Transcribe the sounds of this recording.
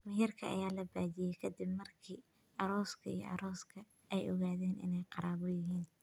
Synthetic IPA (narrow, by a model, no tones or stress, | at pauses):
mɪjɐrkʰɐʔɐ̰jaːlɐbaːdɪjɛjkʰɐd̪ɪbmɐrkʰiː | ɐɾɔːskʰɐḭjɔ̰ʔɑ̰ɾɔːskʰɐ | ɛjʔɔɣaːðɛːnɪ̰nɛjqɑɾaːβɔjɪɦiːn